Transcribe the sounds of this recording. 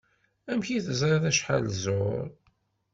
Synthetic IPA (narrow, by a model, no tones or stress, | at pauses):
æmçiθəzɾˤɑðæʃħa̰lzʊɾ